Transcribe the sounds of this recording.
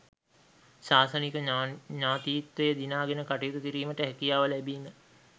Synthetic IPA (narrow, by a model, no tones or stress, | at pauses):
saːsənikəɲaːt̪iit̪ʋəjəd̪inaːɡenəkaʈejut̪ukiɾiːməʈəɦɛkijaːʋəlɛbiːmə